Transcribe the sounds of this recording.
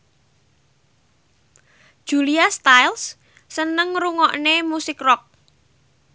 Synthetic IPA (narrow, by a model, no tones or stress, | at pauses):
d̥ʒ̥ṳliast̪ajls | sənəŋruŋɔʔnemusɪkrɔk̚